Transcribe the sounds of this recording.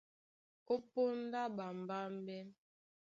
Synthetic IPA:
ko˦po˦n˦da˦ba˨m̩˨ba˦m̩˦bɛ˦n

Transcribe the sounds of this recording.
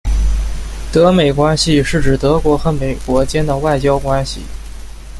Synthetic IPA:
t̪ɤ˧˥me˨˩ɪkwa˥nɕi˨ʂɻ̩˥˩ʈ͡ʂɻ̩˨˩t̪ɤ˧˥kwɔ˧˥xɤ˧˥me˨˩ɪkwɔ˧˥t͡ɕjɛ˥nd̪ə˨wa˥˩ɪt͡ɕjɑ˥ʊkwa˥nɕḭ˨˩

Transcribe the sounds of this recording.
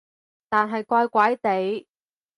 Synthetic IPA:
t̪aː˨˩nɦɐ˨jkʷɔː˧jkʷɐ˨˥jt̪e˨˥j

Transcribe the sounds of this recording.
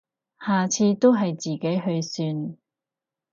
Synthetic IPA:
haː˨˩t͡sʰiː˧t̪o˥wɦɐ˨jt͡siː˨ke˨˥jɦɵ˧ɥsyː˧n

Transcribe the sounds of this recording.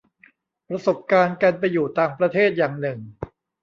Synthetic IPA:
pɾa˧so˨˩p̚kaː˧nka˧np̬a˧jːuː˨˩t̪aː˨˩ŋpɾa˧t̪ʰeː˥˩t̪̚jaː˨˩ŋnɯ˨˩ŋ

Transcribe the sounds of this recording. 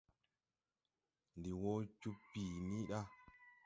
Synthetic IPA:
ndi˨wo˦t͡ʃu˦pːiː˨ni˦ɗa˦

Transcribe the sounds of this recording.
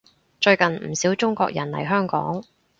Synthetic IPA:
t͡ʃɵ˧ɥkɐ˨nm̩˨˩siː˨˥wt͡sʊ˥ŋkʷɔ̰ː˧k̚jɐ̰˨˩nlɐ̰˨˩jɦœː˥ŋkɔ̰ː˨˥ŋ

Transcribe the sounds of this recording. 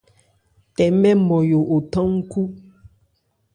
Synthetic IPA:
tɛ˨mɛ˦mɔ˨jo˨ʔo˨tɔ̃˦ŋ̩˦ku˦

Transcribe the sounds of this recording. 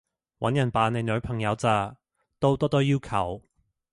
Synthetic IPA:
wɐ˨˥njɐ˨˩npaː˨˧ne˨˧jnɵ˨˧ɥpʰɐ˨˩ŋjɐ˨˧wt͡saː˨˧ | t̪o˥wt̪ɔː˥t̪ɔː˥jiː˥wkʰɐ˨˩w

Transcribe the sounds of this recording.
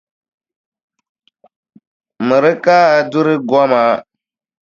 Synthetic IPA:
mɨ˨ɾɪ˦kaː˦a˨du˦ɾɪ˦ɡɔ˦ma˦

